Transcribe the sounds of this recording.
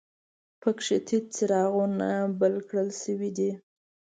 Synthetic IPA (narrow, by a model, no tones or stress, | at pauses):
pəkʂɪt̪ʰit͡sɪɾɑɣunabəlkɽəlʃəwid̪i